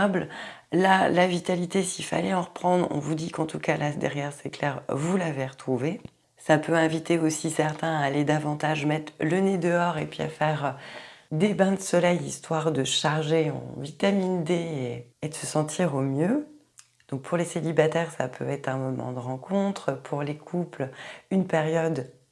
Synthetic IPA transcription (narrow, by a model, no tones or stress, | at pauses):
bllalavit̪alit̪esiilfa̰lɛɑ̃ʁəpχɑ̃d̪ʁɔ̰̃vud̪ikɑ̃t̪ukalasd̪ɛ̰ʁjɛʁsɛklɛʁvulaveʁət̪χuve | sapøɛ̃vit̪eosisɛʁt̪ɛ̃aːled̪avɑ̃t̪aʒmɛt̪χləned̪əɔʁepɥia̰fɛʁ | d̪ebɛ̃d̪əsɔlɛjist̪waʁd̪əʃaʁʒeɔ̰̃vit̪amind̪eeed̪əsəsɑ̃t̪ʰiʁomjø | d̪̥ɔ̃k̚pʰuʁleselibat̪ɛʁsa̰pʰø̰ɛt̪χɛ̃mɔmɑ̰̃d̪əʁɑ̃kʰɔ̃t̪χpʰuʁlekʰuplynpɛʁjɔd̪